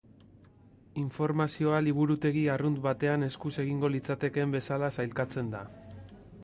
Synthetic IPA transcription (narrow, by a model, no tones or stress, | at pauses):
iɱfo̞ɾmasio̞aliβ̞uɾut̪e̞ɣiarund̪βat̪e̞ane̞skuse̞ɣiŋɡo̞lit͡sat̪e̞ke̞mbe̞salasajlkat͡se̞nd̪a